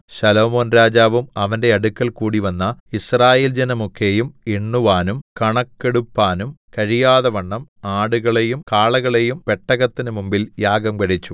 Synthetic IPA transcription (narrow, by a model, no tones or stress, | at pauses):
ɕɐlo̞ːmo̞ːnɾaːd͡ʑaːʋumɐʋɐnde̞ɐɽukːɐlkuːɽiʋɐnːɐisraːjeːld͡ʑenɐmukʰːe̞jumiɳːuʋaːnumkɐɳɐkːeɽupːaːnumkɐɻijaːðɐʋɐɳːɐmaːɽuɣɐɭejumkaːɭɐɣɐɭejumpe̞ʈːɐɣɐt̪ːinɨmumbiljaːɡɐmkɐɻit͡ɕːu̥